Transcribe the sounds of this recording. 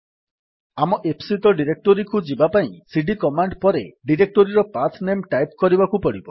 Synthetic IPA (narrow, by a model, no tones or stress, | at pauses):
amɔʔepʰsit̪ɔɖiɾek̚ʈoɾikud͡ʒibapaĩsiɖikɔmaɳɖpɔɾeɖiɾek̚ʈoɾiɾɔpatʰnemʈajpkɔɾibakupɔɽibɔ